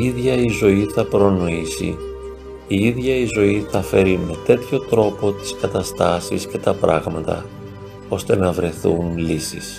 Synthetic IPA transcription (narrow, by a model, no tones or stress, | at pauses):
iðʝɐizo̞iθɐpɾo̞no̞isḭ | iiðʝɐizo̞iθɐfe̞ɾime̞t̪e̞t̪ço̞t̪ɾo̞po̞t̪i̥skɐt̪ɐst̪ɐsisce̞t̪ɐpɾɐ̰ɣmɐt̪ɐ̰ | o̞st̪e̞nɐvɾe̞θunlisḭs